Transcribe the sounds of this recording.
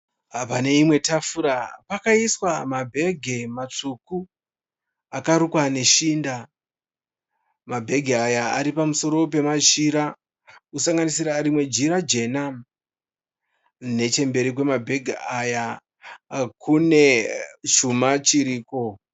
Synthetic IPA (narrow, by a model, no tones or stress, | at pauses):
pane̞imwe̞tafuɾapakaiswamabʱe̞ɡʱemat͡ʂuku | akaɾukwane̞ʃiːnda | mabʱe̞ɡʱeajaa̰ɾipamuso̞ɾo̞p̬e̞maʒiɾa | usaŋɡanisiɾaɾimwe̞d͡ʒiɾad͡ʒe̞nam | ne̞t͡ʃe̞mbe̞ɾikwe̞mabʱe̞ɡʱeaja | kune̞t͡ʃumat͡ʃiɾiːko̞